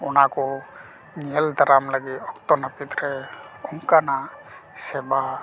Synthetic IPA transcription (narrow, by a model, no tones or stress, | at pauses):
ɔnakɔ | ŋiɛld̪aɾamləɡit̪ɔkt̪ɔnapit̪ɾɛɔŋkanasɛba